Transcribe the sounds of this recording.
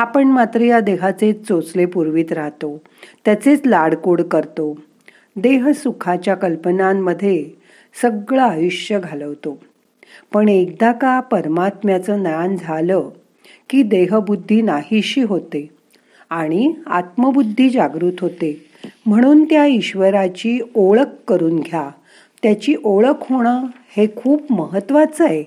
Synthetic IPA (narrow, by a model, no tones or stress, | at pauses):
apəɳmat̪ɾəjad̪eɦat͡set͡sot͡slepuɾʋiːt̪ɾaɦt̪o | t̪jat͡set͡slaɽkoɽkəɾt̪o | d̪eɦsukʰat͡ɕjakəlpənamːəd̪ʱːje | səɡɭaəjuɕjəɡʱaləʋt̪o | pəɳek̚d̪akapəɾmat̪mjat͡səːnəjand͡zʱalə | kiːd̪eɦəbud̪ʱːiːnahiɕiːɦot̪e | aɽ̃ia̰t̪məbud̪ʱːiːd͡ʑaɡɾuːt̪ɦot̪e | m̤əɽ̃uːnt̪jaiɕʋəɾat͡ɕiːoɭəkːəɾuːnɡʱja | t̪jat͡ɕiːʔoɭəkɦoɽ̃ə | hekʰuːpməɦət̪ʋat͡səe